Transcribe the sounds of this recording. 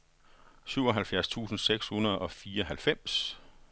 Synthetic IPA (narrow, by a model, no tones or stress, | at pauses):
syʊɒ̽ɦælfjæɐst͡sʰṵːsn̩seɡ̥shunɐð̞̩ˠɒ̽fiːɐɒɦælfem̰s